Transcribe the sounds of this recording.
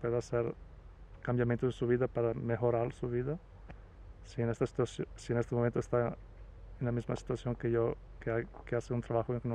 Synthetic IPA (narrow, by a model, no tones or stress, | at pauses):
pweðɐaseɾ | kãmbjamẽnt̪oðesuβiðɐpaɾɐmexoɾaɾsuβiðɐ | sienest̪ɐsi̥t̪asjosienest̪emomẽnt̪oest̪a | ẽnɐmizmɐsi̥t̪uasjõŋkejo | keajkeaseũnt̪ɾaβaxoẽkenõ